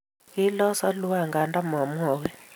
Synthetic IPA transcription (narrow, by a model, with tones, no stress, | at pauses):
i˦lɔ˦sa˦lu˦a˦˨ŋɡa˨nda˦ma˨m˦ɔː˨˦wɛ˦